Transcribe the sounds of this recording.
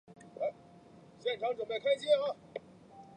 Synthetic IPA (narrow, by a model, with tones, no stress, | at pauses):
e˧˥ɪ | ɕjɛ˥˩nʈ͡ʂʰɑ˧˥ŋʈ͡ʂwə˨˩npe˥˩ɪkʰa˥ɪt͡ɕjɛ˥ə˥˩